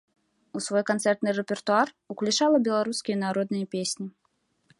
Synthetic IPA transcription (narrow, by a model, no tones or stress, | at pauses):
usvɔjkant̪sɛrt̪nɨrɛpʲɛrt̪uar | uklʲut͡ʂalˠɐbʲɛlˠaɾuskʲijɐnaɾɔd̪nɨjɐpʲesʲnʲi